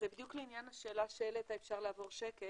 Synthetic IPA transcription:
zebid̪jukleinjanaʃeːlaʃeelet̪aefʃaʁlaːvo̞ʁʃeke

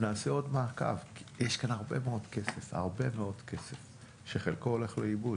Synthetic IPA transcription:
naːseo̞dmaːka̰vkjeʃkanaʁbemeo̞dkesefa̰ʁbe̞meo̞dkʰesef | ʃeχelkoole̞χleibud

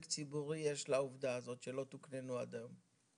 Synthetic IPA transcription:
kt͡sibuʁijeʃlauvd̪aːzo̞t̪ʃelo̞t̪uknenuad̪am

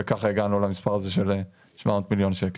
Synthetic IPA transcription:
ekaχeɡanulamispaʁazeʃele | ʃvamot̪miljonʃek

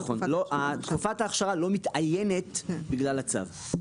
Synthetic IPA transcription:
χonloat̪kufat̪aːχʃaʁalo̞mit̪ajenet̪biɡlalat͡sa̰v

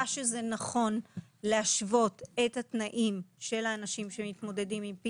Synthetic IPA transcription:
aʃezenaχo̞nleaʃvo̞tethatnaʔimʃe̞laːnaʃimʃemitmo̞de̞dimimpi

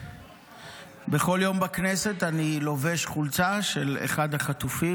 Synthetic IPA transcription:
beχo̞ljo̞mbaknese̞t̪anilo̞veʃχult͡saʃelḛχad̪haχat̪ufi

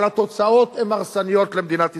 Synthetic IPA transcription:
lat̪o̞t͡sao̞t̪emaʁsanijo̞t̪lemd̪inat̪i

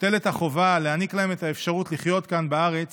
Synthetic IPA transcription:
t̪e̞le̞t̪haχo̞valeaniklahe̞met̪aefʃaʁutliχjo̞t̪kanbaaʁe̞t͡s

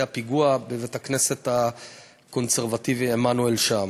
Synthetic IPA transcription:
apiɡuabevetaknese̞ta | ko̞nseʁvativiemanuelʃam

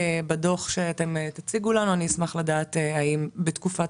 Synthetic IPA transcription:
bado̞χʃeate̞metat͡siɡulanuaniːsmaχladaːteaimbetkufa

